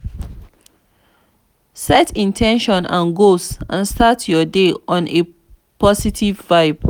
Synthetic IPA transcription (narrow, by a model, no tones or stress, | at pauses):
sɛtĩntʰɛ̃nʃɔ̃nʔã̰nɡosã̰nstatʰjɔdeɔ̃ne | pʰɔsitʰivːaɪb